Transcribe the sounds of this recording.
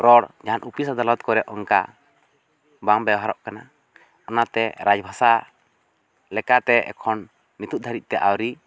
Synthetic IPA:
ɾɔɽd͡ʒaɦanʔupisad̪alɔt̪̚kɔɾɛʔʔɔŋka̰ | baŋbɛwɦaɾɔʔkana | ɔnat̪ɛɾad͡ʒbʱasa | lɛkat̪ɛɛ̰kʰɔnː | it̪ut̪̚d̪ʱaɾit̪̚ˀt̪ɛʔawɾi

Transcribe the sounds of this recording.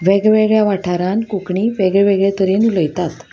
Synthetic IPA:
ʋeɡʋeɡɭjaʋaʈʰaɾãnkukɳiːʋeɡɭɛʋeɡɭɛt̪əɾenuləjt̪at̪

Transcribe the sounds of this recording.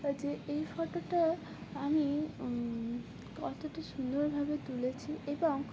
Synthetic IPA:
d͡ʑeʔejfɔʈoʈa | ami | kɔ̰t̪oʈaʃund̪oɾbʱabet̪ulet͡ɕʰiʔeboŋ

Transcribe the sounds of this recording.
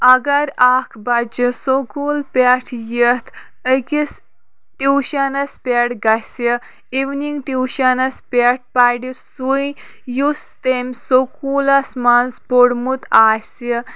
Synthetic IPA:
ɐɡaɾakʰbad͡ʒisokulpʲaʈʰjət̪ʰ | əkis | ʈiwʃanɐspʲeɽɡɐsi | iʋniŋɡʈiwʃanɐspʲeʈ̚paɽisuj | just̪emʲsokulasmanzboɽmut̪ʰaːsi

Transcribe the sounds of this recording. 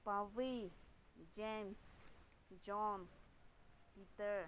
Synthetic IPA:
pavi | d͡ʒẽms | d͡ʒɔn | pit̪əɾ

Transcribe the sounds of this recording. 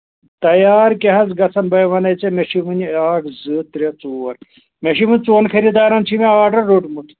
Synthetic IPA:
t̪ɐjaːɾkeɦɐzɡɐsʰɐnbɐjʋɐnɐt͡semeʂiʋɨniaːkzɨt̪ɾɐt͡suɐɾ | meʃiʋɨnʲt͡suːɐnkʰɐɾid̪aːɾɐnt͡ʃʰimeɐʋaːʈɐɾːoʈmut̪ʰ

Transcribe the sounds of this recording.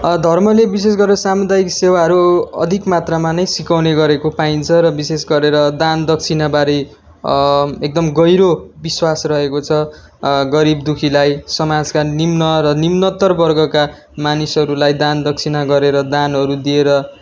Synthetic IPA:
d̪ʱʌrmʌlebis̬es̬ɡʌɾeɾʌsamud̪ajiksewaɦʌɾuʌ̰d̪ʱikmat̪ramanʌjsikawneɡʌɾekopaint͡sʰʌɾʌbisesɡʌɾeɾʌd̪and̪ʌk̚t͡sʰinabaɾi | ek̚d̪ʌmɡʌjɾobiswasrʌɦekot͡sʰʌ | ɡʌɾibd̪ukʰilajsʌmad͡zkanimnʌɾʌnimnʌt̪ːʌrbʌrɡʌka | manisʌɾulajd̪and̪ʌk̚t͡sʰinaɡʌɾeɾʌd̪anɦʌɾud̪ieɾʌ

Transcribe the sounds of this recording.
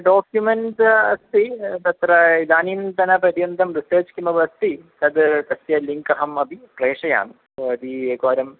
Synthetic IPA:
ɖoːkjumensɐst̪it̪ɐt̪rɐid̪aːniːnt̪ɐnɐprɐd̪jɐnd̪ɐmriseːt͡ɕkimɐbɐst̪it̪ɐd̪t̪ɐsjɐliŋkɐɦɐmɐb̪ipreːʂɐja̰ːɳɨ | oːɐd̪ikoːɾɐm

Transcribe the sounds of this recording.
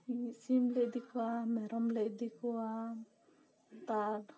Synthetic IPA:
isimled̪ikʰuwameɾɔmled̪ikʰua | t̪aɖ

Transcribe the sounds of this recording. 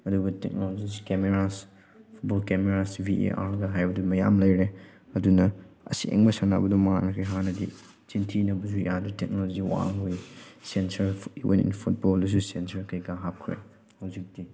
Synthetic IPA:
ɐduɡɐtek̚nolod͡ʒiskemeɾas | pʰut̚bɔlkemeɾasbiḛʔaɾɡɐɦajbɐdumɐja̰mlɐjɾe | ɐdunɐɐ̰sḛŋbɐsana̰bɐduŋmɐŋa̰nɐkʰɾeɦanɐdi | t͡ʃintʰinɐbɐzujaditek̚nolɔziwa̰ŋɦujsensɐɾḭvḛnḭnpʰut̚bɔldus̬usensɐɾkʰɐjɡaɦap̚kʰɾḛ | hɐwzik̚di

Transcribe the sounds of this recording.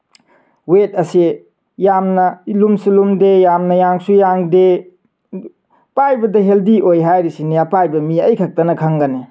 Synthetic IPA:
wet̚ɐsi | jamnɐlumsilumdejamnɐjaŋsujaŋde | pajbɐdɐɦeldiʔojɦajɾisinijapajbɐmiɐjkʰak̚tɐnɐkʰaŋɡɐne

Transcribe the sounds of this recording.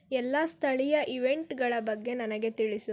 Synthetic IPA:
ɛlːast̪ʰɐɭijɐʔiʋe̞ɳʈɡɐɭɐbɐɡːe̞nɐnɐɡe̞t̪iɭisu

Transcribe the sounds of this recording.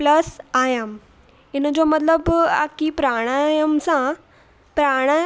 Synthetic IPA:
ləsajəm | inəd͡zomət̪ləba̰kipɾaɽ̃ajəmsã | pɾaɽ̃aj

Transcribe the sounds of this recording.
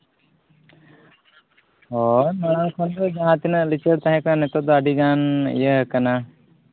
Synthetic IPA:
ɦɔmaɽ̃aŋkʰɔnd̪ɔd͡ʒaɦãt̪inəʔlit͡ʃəɾt̪aɦɛ̃kananɛt̪ɔd̪ɔaɖiɡanḭjəɦəkana

